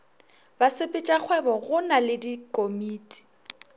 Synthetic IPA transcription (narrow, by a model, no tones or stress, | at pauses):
basɪpʼɪt͡ʃʼak͡xʰwɛbɔɣʊnalɪdikʼomiːtʼi̥